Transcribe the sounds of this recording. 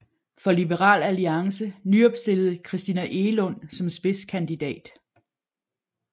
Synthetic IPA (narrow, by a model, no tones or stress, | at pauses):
fɒ̽lib̥əʁɑ̰̈ːlæliɑ̈ŋsənyɒ̽b̥sd̥e̝l̰ð̩ˠkʰʁisd̥inæʔe̝lɔ̽n̰sɒ̽msb̥e̝skʰænd̥id̥ɛ̰ːd̥